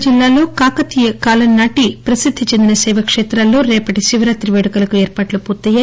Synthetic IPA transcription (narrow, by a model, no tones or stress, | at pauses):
d͡ʒilːaːlo̞ːkaːkɐt̪ijɐkaːlɐnnːaːʈipɾɐsid̪ʱːit͡ʃe̞nd̪inɐsɐjʋɐkʂɛːt̪ɾaːlːo̞ːɾɛːpɐʈiʃiʋɐɾaːt̪ɾiʋeːɽɐkɐlɐkuɛːɾpaːʈlupuːɾt̪ːɐjːaː